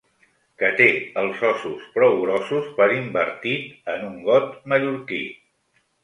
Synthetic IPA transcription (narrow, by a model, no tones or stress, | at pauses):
kət̪eəlˠzɔsuspɾɔwɣɾɔsuspəɾimbə̰ɾt̪it̪ənuŋɡɔt̪məʎuɾkḭ